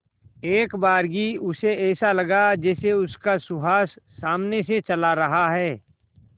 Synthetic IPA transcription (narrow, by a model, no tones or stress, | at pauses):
eːkbaːɾɡiʊseɛːsalɐɡad͡ʒɛːseʊskasʊɦaːsːaːmneset͡ʃɐlaɾɐɦaɦɛː